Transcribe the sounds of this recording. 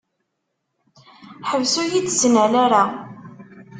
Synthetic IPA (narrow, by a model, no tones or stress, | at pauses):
ħəvsujit͡sːsnælaɾa